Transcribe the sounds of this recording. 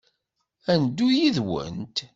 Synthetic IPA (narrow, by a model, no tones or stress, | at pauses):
ænd̪ːujiðwə̰nt̪